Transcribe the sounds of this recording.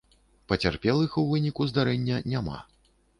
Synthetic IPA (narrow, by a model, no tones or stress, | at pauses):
pɐt͡sʲarpʲɛlˠɨxuwvɨnʲikuzd̪aɾɛnʲːɐnʲama̰